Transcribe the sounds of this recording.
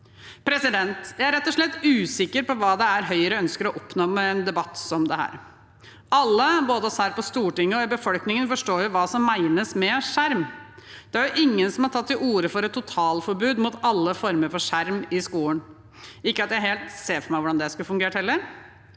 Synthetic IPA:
pʰɾɛsɪd̪ɛnt̪jæɪæɾɛt̪ːɔʂɭɛt̪ːʉːsɪkːəɾpɔʋɑːd̪ɛæɾɦœʏəɾəœnskəɾɔʔɔpnoːmɛɛnd̪ɛbɑt̪ːsɔmd̪ɛhæ̰ːɾ | ʔɑlːəboːd̪əɔsæːɾpɔst̪uːʈɪŋːəɔɪbəfɔlknɪŋənfɔʂʈoːjʊʋɑːsɔmæɪnəsmɛʂæɾmd̪̥ɛæɾjʊʔɪŋːənsɔmhɑɾʈʰɑt̪ːɪʔuːɾəfɔɾɛt̪ʰːʊt̪ʰɑːlfɔɾbʉːd̪mʊt̪ɑlːəfɔɾməɾfɔʂæɾmɪskuːən | ɪkːəɑt̪jæɪheːlt̪seːfɔɾmæɪʋʊɖɑnd̪ɛskʉfʉŋɡeːʈhɛlːəɾ

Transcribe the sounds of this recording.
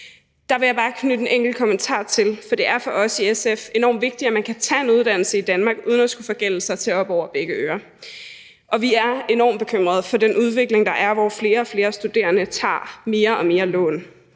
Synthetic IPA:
d̥ɑ̈ʋe̝jɑ̈bɑ̈ːkʰnyd̥enʔeŋ̰ɡ̥l̩kʰɒ̽mənt͡sʰɑ̰̈ːt͡sʰe̝lfɒ̽d̥e̝ʔæɐfɒ̽ʔɒ̽siesefe̝nɒ̰ːmʋe̝ɡ̥̚d̥iæmænkʰæt͡sʰɛ̰ːe̝nuðˠd̥æn̰l̩səid̥ænmɑ̈ːɡ̥uːð̞ˠnæsɡ̥ufɒ̽ɡ̥el̰̩sɑ̈ɪt͡sʰe̝ɒ̽b̥ɒʊ̰ɐb̥eɡ̥əøːɐ | ʔɒ̽ʋiæɐe̝nɒ̰ːmb̥e̝kʰøm̰ʁɐð̞ˠfɒ̽denʔuð̞ˠʋe̝ɡ̥le̝ŋd̥ɑ̈ʔæɐʋɒfle̝ːɐɒ̽fle̝ːɐsd̥ud̥e̝̰ːɐnət͡sʰɑ̰̈ːme̝ːɐʔɒ̽me̝ːɐlɔ̰̽ːn

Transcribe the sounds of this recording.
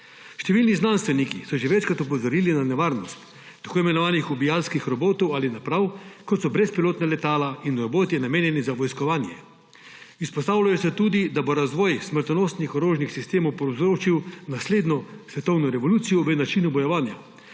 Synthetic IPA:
ʃt̪ɛʋiːlniznanst̪ʋɛnikisɔʒɛʋɛt͡ʃkɾat̪upɔzɔɾiːlinanɛʋaːɾnɔst̪ː | akoːimɛnɔʋaːnixubijalskixɾɔboːt̪ɔwalinapɾawkɔt̪sɔbɾɛspiloːt̪nalɛt̪aːlainɾɔboːt̪inameːnjɛnizaʋɔjskɔʋaːnjɛ̰ | ispɔst̪aːwlajɔsɛt̪uːd̪id̪aboɾazʋɔjsməɾt̪noːst̪nixɔɾoːʒnixsist̪eːmɔwpowzɾoːt͡ʃiwnasleːd̪nɔsʋɛt̪ɔwnɔɾɛʋɔluːt̪sijɔʋənat͡ʃinubɔjɔʋaːnja̰

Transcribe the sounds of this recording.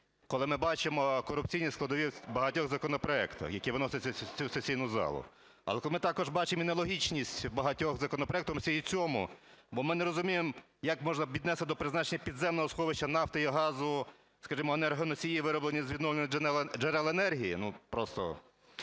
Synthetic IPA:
kɔlˠɪmɪbɑt͡ʃemɔkɔɾʊp̚t͡sʲijnʲisklˠɐd̪ɔʋʲisʲtʲbɐɦɐtʲɔɣzɐkɔnɔpɾɔɛkt̪ɐ̰xjɐkʲiʋɪnɔsɪt͡sʲːɐɐt͡sʲusesʲijnʊzɑ̰lˠʊ̰ | ɐ̰lˠɛkɔlˠɪmɪt̪ɑkɔʒbɑt͡ʃeminɐlˠɔɦʲit͡ʃnʲisʲtʲbɐɦɐtʲɔɣzɐkɔnɔpɾɔɛk̚t̪ɔmsʲɛit͡sʲɔmʊ̰ | bɔmɪnɛɾɔzʊmʲijem | jɐkmɔʒnɐʋʲid̪nɛst̪ɪd̪ɔpɾɪznɑt͡ʃenʲːɐpʲid̪zɛmnɔɦɔsxɔʋɪʃt͡ʃːɐnɑft̪ɐjiɦɑzʊ | skɐʒimɔenɛrɦɐnɔsʲijiʋɪɾɔblˠenʲizʲʋʲid̪nɔʋʲenʲɛd͡ʒenɛlˠenɛrɦʲijinupɾɔst̪ɔ̰

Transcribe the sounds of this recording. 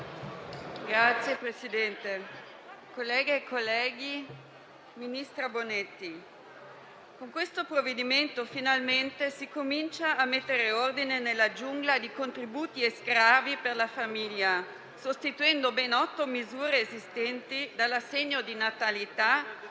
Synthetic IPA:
ɡɾat̪sːjepɾesid̪ɛnt̪e | kolːɛːɡeːkʰːolːɛːɡi | minist̪ɾabonet̪ːi | koŋkwest̪opɾovːed̪iment̪ofinalment̪esikomint͡ʃaːmet̪ːeɾeord̪inenelːad͡ʒuŋɡlad̪ikont̪ɾibuːt̪ieskɾaːviperlafamiʎːa | sost̪it̪uɛnd̪obɛnɔt̪ːomizuːɾeːzist̪ɛnt̪id̪alːasːeɲːod̪inat̪alit̪a

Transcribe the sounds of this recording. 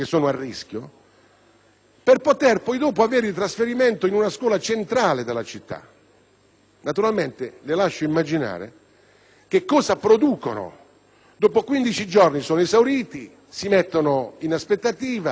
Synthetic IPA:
kesːoːnoarːiskjo | perpot̪ɛrpɔjd̪oːpoaveːɾilt̪ɾasfeɾiment̪oinunaskwɔːlat͡ʃent̪ɾaːled̪elːat͡ʃit̪ːa̰ | nat̪uɾalment̪ɪlɪlaʃːoimːad͡ʒina̰ːɾḛ | k̟ekːɔːzapɾod̪uːkono̰ | d̪oːpokwind̪it͡ʃid͡ʒɔrnisoːnezawɾiːt̪i | simɛt̪ːonoinaspet̪ːat̪iːva

